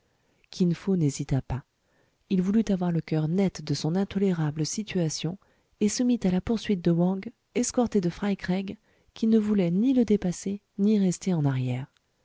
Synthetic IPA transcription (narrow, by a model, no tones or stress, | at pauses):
kʲʰinfonezit̪apa | ilvulyt̪avwaʁləkʲœʁnɛt̪d̪əsɔ̃nɛ̃t̪ɔleʁabləsit̪yasjɔ̃ | esəmit̪alapuʁsɥit̪̚d̪əwɑ̃ɡ | ɛskɔʁt̪ed̪əfχajkʁɛɡ | kʲinəvulɛniləd̪epase | niʁɛst̪eɑ̃naʁjɛːʁ